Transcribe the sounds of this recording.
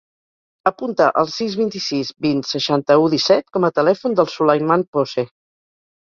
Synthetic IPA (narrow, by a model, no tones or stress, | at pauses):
əpunt̪əʔəlˠsizβint̪isizbinsəʃant̪əuðisɛt̪̚kɔmət̪əlɛfund̪əlˠsuləjmanpose